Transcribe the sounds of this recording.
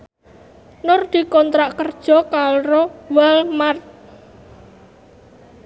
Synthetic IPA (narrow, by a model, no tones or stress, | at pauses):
nʊrd̪̥i̤kɔnt̪ɾaʔkərd̥ʒ̥ɔ̤kaɾowɛlmar